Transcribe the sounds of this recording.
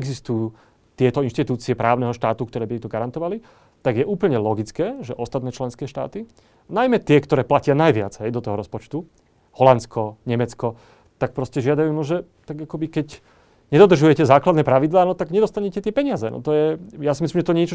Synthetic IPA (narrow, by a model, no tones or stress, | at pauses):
ɛɡzist̪ujuː | t̪ɪɛt̪ɔinʃt̪it̪uːt͡siɛpɾaːʊnɛɦɔʃt̪aːt̪ukt̪ɔɾɛːbit̪ɛt̪ɔɡaɾant̪ɔʋali | t̪aɡjɛʔuːpl̩ɲɛlɔɡit͡skɛːʒɛʔɔst̪at̪nɛːt͡ʃlɛnskɛːʃt̪a̰ːt̪i | najmɛt̪ɪɛkt̪ɔɾɛːplacɪanajʋɪa̰d͡zɦɛjd̪ɔt̪ɔɦɔɾɔspɔt͡ʃt̪u | hɔlant̪t͡skʰɔɲɛmɛt͡skɔ | t̪ak̚pɾɔscɛʒɪad̪ajuːnɔʒɛt̪aɡakɔbikɛc | ɲɛd̪ɔd̪r̩ʒujɛcɛzaːklad̪nɛːpɾaʋid̪laːnɔt̪aɡɲɛd̪ɔst̪aɲɛcɛt̪ɪɛpɛɲɪazɛnɔ̰t̪ɔjɛjasimislimʒɛt̪ɔɲɪɛt͡ʃɔ